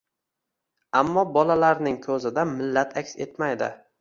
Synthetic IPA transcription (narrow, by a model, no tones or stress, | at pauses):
amːɒbɒlalaɾnɪŋkʲʰɵzɪd̪amɪlːat̪ʰakʲse̞t̪majd̪ɪ̰